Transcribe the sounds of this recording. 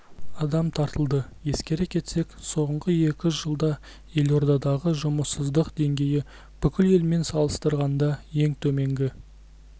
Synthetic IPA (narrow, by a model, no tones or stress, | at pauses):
ɑd̪ɑmt̪ʰɑɾt̪əlˠd̪əje̞skʲe̞ɾɪkʲʰe̞t̪se̞kso̞ɴʁəje̞kʲɪʒəlˠd̪ɑ | je̞lo̞ɾd̪ɑd̪ɑʁəʒʊməsəzd̪əqd̪e̞ŋɡʲe̞jɪ | b̥ʏkʲɪle̞lme̞nsɑlˠəst̪əɾʁɑnd̪ɑje̞ŋt̪ʰɵme̞ŋɡʲɪ